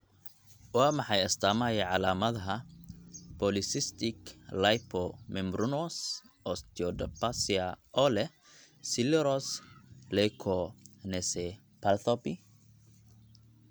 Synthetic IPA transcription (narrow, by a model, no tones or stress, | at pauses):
wɑːmɑħɑjɐst̪ʰaːmajɛʕɑlaːmɐðɐɦɐ | pɔlɪsɪst̪ɪklajpʰɔmɛmbɾunɔs | ʔɔst̪iɔd̪ɐpasiaʔɔːlɛ | sɪlɛɾɔslɛjkʰɔnɛsɛ | palθɔpi